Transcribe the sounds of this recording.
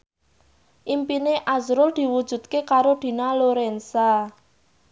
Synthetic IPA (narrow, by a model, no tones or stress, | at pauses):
ʔimpineʔazɾʊld̪̥i̤wud̥ʒ̥ṳt̪̚kekaɾod̪̥i̤naloɾɛnsa